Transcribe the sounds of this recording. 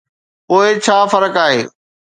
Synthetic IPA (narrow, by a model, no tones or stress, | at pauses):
poːet͡ɕʰaːfɐɾəkaːɦeː